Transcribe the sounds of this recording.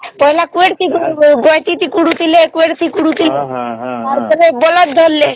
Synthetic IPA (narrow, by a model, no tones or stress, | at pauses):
pɔɦelakueɽt̪ʰiɡɡojt̪it̪ikuɽut̪ilekueɽt̪ʰikuɽut̪ileaɾpɔɾebɔlad̪ʱolːe